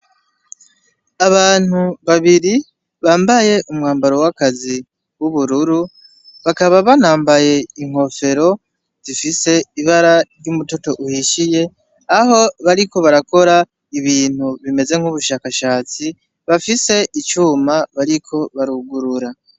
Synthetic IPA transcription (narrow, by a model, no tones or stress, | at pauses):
aβaːn̥uβaβiɾi | βaːmbaje̞ʔumŋaːmbaɾo̞wakazi | wuβuɾuɾu | βakaβaβanaːmbaje̞iŋ̥ho̞fe̞ɾo̞ | zifise̞iβaɾaɾjumuto̞to̞ʔuhiʃije̞ | aɦo̞βaɾiko̞βaɾako̞ɾa | iβiːn̥huβime̞ze̞ŋ̥huβuʃaːkaʃaːt͡si | βafise̞ʔit͡ʃuːmaβaɾikʰo̞βaɾuɡuɾuɾa